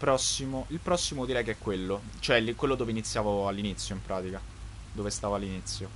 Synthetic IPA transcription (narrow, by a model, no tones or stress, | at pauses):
pɾɔsːimoilpɾɔsːimod̪iɾɛjkeɛkːwelːo | t͡ʃoɛlːikwelːod̪oːveinit̪sːjaːvoalːinit̪sːjoimpɾaːt̪ika | d̪oːvest̪aːvoalːinit̪sːjo